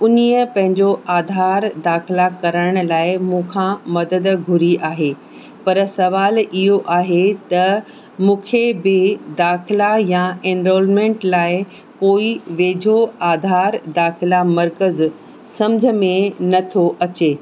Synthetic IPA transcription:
ʊnijəpɐ̃ɦɪ̃ɲd͡ʑoʔaːd̪ʱaːɾd̪aːxɪlakɐɾəɽəɽ̃ʊ̆laːɪmũːkʰãmɐd̪əd̪ɡʱʊɾiʔaːɦeː | pɐɾsɐʋaːlɪɦoʔaːɦet̪ɐ | mũːkʰebɪd̪aːxɪlajãẽːnɾoːlmẽːɳʈlaːɪ | koːiʋeːd͡ʑʱoaːd̪ʱaːɾd̪aːxɪlamɐɾkəz | sɐ̃md͡ʑʱəmẽnɐt̪ʰoʔɐt͡ɕeː

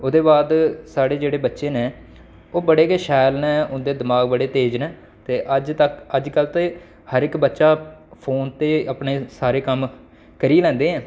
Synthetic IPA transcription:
ʊd̪eːbaːd̪saːɽeːd͡ʒeːɽeːbətːʃeːneː | oːbəɽeːkeːʃaːɪlnɛ̃ːʊnd̪eːd̪ɪmaːɡbəɽeːt̪eːd͡ʒnɛ̃ː | t̪eːʔəd͡ʒt̪əkəd͡ʒkəlt̪eː | həɾɪkbətːʃaːpʰoːnt̪eːəpɳeːsaːɾeːkəm | kəɾiːlɛ̃ːnd̪eːɦɛ̃ː

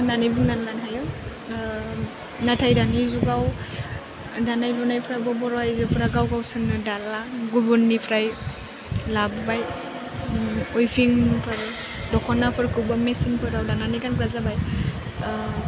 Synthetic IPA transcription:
nanijbɯŋnanlanɦajɯ | natʰajdanizuɡaw | danajlɔnajpʰɾajbɔbɔɾɔajzɯpʰɾaɡawɡawsɯnɯdalaɡubɔnːipʰɾaj | labɯbaj | ɔjpʰiŋpʰɯɾ | dɔkʰɔnapʰɯɾkʰɯbamesinpʰɯdawdananijkankɾazabaj

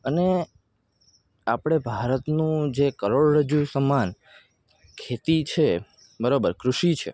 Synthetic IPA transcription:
əne | apɽ̃ebʱaɾət̪nũd͡ʒekəɾoɽɾəd͡ʒusəman | kʰet̪it͡ʃʰe | bəɾobəɾkɾuʃit͡ʃʰḛ

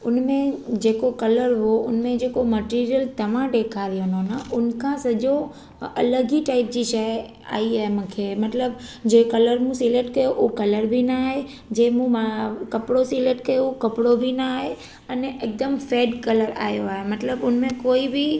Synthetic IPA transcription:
ʊnmẽd͡ʑeːkokɐləɾɦoʊ̰nmẽd͡ʑeːkomɐʈiːɾijəlt̪ɐʋ̤ãɖeːkʰaɾijononəʔʊnkʰãsɐd͡ʑo | ɐ̰ləɡiʈaːɪp̚d͡ʑiʃəɦ | a̰ːiaːɦemũːkʰemɐt̪ləbd͡ʑeːkɐləɾmũsileːʈkɐjoʔukɐləɾbʱinaːɦe | d͡ʑeːmũmakɐpɽosileʈkɐjoukɐpɽobʱinaːɦe | ɐneʔɪk̚d̪əmfeːɖkɐləɾa̰ːɦjoaːɦemɐt̪ləbʊnmẽkoːibɪ

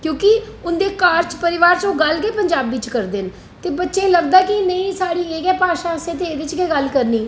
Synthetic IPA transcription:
kjõːkɪʊnd̪eːkaːɾt͡ʃpəɾɪʋaːɾt͡ʃõːɡəlkeːpəɲd͡ʒaːbʋɪt͡ʃkəɾd̪eːn | t̪eːbətːʃẽːləɡd̪aːkɪnəĩːsaːɽiːeːkɛːpaːʃãːseːt̪eːeːd̪ɪt͡ʃkeːɡəlkəɾniː

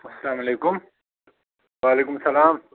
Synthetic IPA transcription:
ɐsɐlaːmɐleːkʊm | waːleːkʊmsɐlaːm

